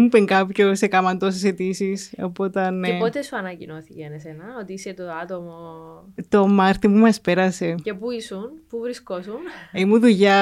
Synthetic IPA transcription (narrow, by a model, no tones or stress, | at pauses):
mupeŋkɐpçosekɐmɐnd̪os̬eset̪isiso̰po̞t̪ɐnepot̪esuɐnɐcino̞θicenesenɐot̪iiset̪oɐt̪omot̪o̞mɐɾt̪imumɐspe̞ɾɐse̞ce̞puisunpuvɾiskosunimuðuʝɐ